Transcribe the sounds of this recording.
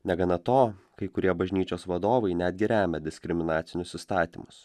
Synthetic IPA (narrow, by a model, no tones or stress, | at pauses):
nʲɛɡɐnɐt̪oːkɐɪkʊɾʲiɛbɐʒʲnʲiːt͡ʃʲoːsʋɐd̪oːʋɐɪnʲæd̪ʲɡʲɪɾʲæːmʲɛd̪ʲɪsʲkɾʲɪmʲɪnɑːt̪sʲɪnʲʊsɪst̪ɑːt̪ʲḭːmʊs